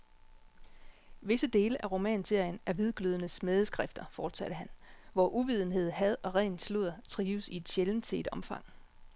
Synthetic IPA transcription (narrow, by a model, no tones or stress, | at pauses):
ʋe̝səd̥e̝ːləʔæʁo̝mɛ̰ːnse̝ɐ̰jənæɐʋið̞ˠɡ̥løð̞ˠənəsmeðˠəsɡ̥ʁɛfd̥ɐfɒːd̥sæd̥əɦænʋɒʔuʋið̞ˠn̩ɦe̝ð̞̰ˠɦæð̞ˠɒ̽ʁɛːnslo̝ð̰ˠɐt͡sʰʁiːʊəsie̝d̥ɕeln̩t͡sʰe̝e̝d̥ɒ̽mfɑ̈ŋ̰